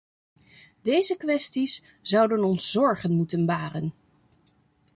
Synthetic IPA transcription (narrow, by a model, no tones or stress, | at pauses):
dejzəkʋɛstis | z̥ɑwdənɔnszɔɹχənmutənbaːrən